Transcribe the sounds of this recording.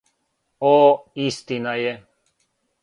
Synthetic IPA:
oːist̪inaje

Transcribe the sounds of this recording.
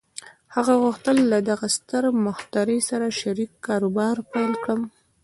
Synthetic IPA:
haɣaɣʊxt̪əlːad̪aɣast̪əɾmʊxt̪aɾəjsaɾaʃaɾikːɑɾobɑɾpajlkɽəm

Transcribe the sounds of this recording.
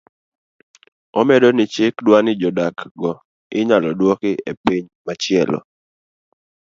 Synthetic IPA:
ɔmɛdɔnɪt͡ʃekdwanɪd͡ʒɔdakɡɔ | ɪɲalɔdwɔkɪepiɲmat͡ʃɪɛlɔ̰

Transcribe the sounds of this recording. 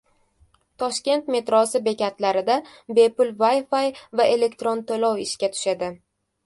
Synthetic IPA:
t̪ʰɒʃkʲe̞nt̪me̞t̪ɾɒsɪbe̞kʲat̪laɾɪd̪abe̞pʊlvajfajvaʔe̞le̞kt̪ɾont̪ʰolɒwɪʃkʲat̪ʰʊ̥ʃad̪ɪ

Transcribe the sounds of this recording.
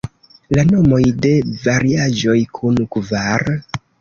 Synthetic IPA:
lano̞mo̞jde̞vaɾiaʒo̞jkʰunkvaɾ

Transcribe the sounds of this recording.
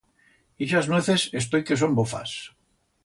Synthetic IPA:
iʃazneθesest̪ojkes̬ombofa̰s

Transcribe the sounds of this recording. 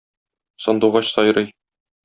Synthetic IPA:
sɒ̆nd̪uwʁɑɕsɒjɾɤj

